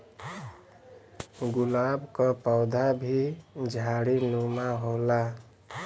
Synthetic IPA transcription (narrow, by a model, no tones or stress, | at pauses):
ɡulabkəpaʊd̪ʱabʱid͡ʒʱaɽinumaɦola